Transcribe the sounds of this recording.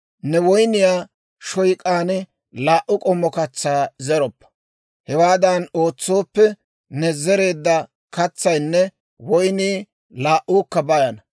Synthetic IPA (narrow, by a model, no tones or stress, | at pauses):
nɛwɔjnɪjaː | ʃɔjkʼaːnɛ | laːʔʊkʼɔmːɔkɐt͡sːaːzɛɾɔpːɐ̥ | hɛwaːd̪ɐno̞ːt͡sːo̞ːpːɛ | nɛzɛɾe̞ːd̪ːɐ | kɐt͡sːɐjnːɛ | wɔjniː | laːʔuːkːɐbɐjɐnɐ